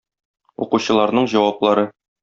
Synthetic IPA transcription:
ṵquɕɤ̆lˠɑɾnɤɴʑɒwɑplˠɑɾɤ

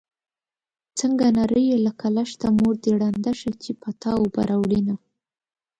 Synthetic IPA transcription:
t͡səŋɡanaɾəjelakalaʃt̪amoɾd̪əɽand̪aʃat͡ʃepat̪ɑwoba̰ɾʔawlina

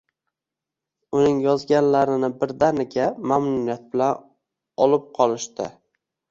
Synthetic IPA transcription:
ʊnɪŋjɒzɡʲanlaɾɪnɪbɪɾd̪anɪɡʲamamnʊnijat̪̚bɪlan | ɒlɪp̚qʰɒlˠɪʃt̪ɪ

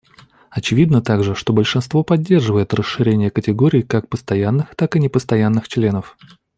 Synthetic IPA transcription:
ɐt͡ɕɪvʲid̪nət̪aɡʐɨʂt̪o̞bəlʲʂɨnst̪vo̞pɐdʲːe̞rʐɨvəjɪt̪rəʂːɨɾʲenʲɪjəkətʲɪɡo̞ɾʲɪːkak̚pəst̪ɐjanːɨxt̪akɨnʲɪpəst̪ɐjanːɨxt͡ɕlʲe̞nəf

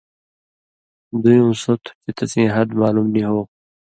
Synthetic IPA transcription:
d̪ujũːsot̪ʰu̥pit̪ɐt͡sĩːɦɐd̪maːlumniɦoː

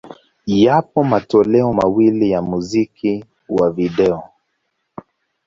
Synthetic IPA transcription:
japɔmatɔlɛɔmawilijamuzikʰi | waviɗɛɔ

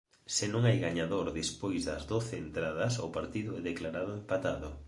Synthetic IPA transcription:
sɪnõŋajɣaɲaðoɾðespojzðɐzðoθeːnt̪ɾaðɐsʊpaɾt̪iðʊɛðeklaɾaðʊempat̪aðʊ

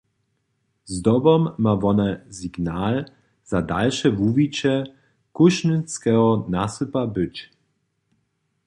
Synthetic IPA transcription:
zd̪ɔbɔmːavɔnaziɡnaːl | z̥adalʃɛvuvit͡ʃɛ | kuʃnət͡skɛɦɔnasəpabʏt͡ʃ

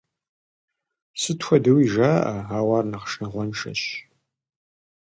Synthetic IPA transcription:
sɨtxʷɔdɐwiːʒaːʔɐaːwɑːrnɐqʂnɨʁʷɔnʂɐ̰ɕ

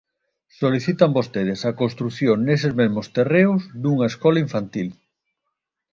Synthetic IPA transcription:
soliθit̪ɐmbost̪eð̞ɪsɐkonst̪ɾuθjoŋnesezmezmost̪ereʊzd̪uŋɐeskɔlaiɱfant̪il

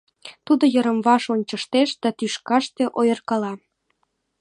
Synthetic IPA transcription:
t̪ud̪ojəɾə̆mβɑʃonʲt͡ɕə̆ʃt̪eʃd̪̥ɑt̪yʃkɑʃt̪eʔojɤrkɑlɑ

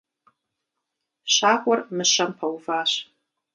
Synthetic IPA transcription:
ɕaːkʷʼɐrmɨʃɐmpʰɐwvaːɕ

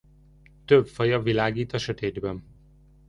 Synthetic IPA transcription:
t̪øbfɒjɒvilaːɡiːt̪ɒʃøt̪eːd̪bɛn

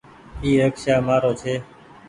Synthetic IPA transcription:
iːɾəkʃaːmaːɾoːt͡ʃʰeː

